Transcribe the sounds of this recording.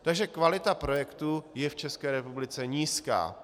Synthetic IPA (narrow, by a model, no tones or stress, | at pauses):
t̪aɡʒɛkvalɪt̪apɾo̞jɛkt̪ujɛft͡ʃɛskɛːɾɛpublɪt͡sɛɲiːska̰ː